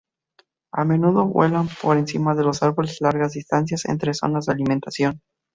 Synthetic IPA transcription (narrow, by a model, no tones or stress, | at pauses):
a̰me̞nuðo̞βwḛlampo̞ɾensimaðe̞losaɾβo̞leslaɾɣazðist̪ans̬jase̞̰nt̪ɾeso̞̰nazðealimẽnt̪asjo̞n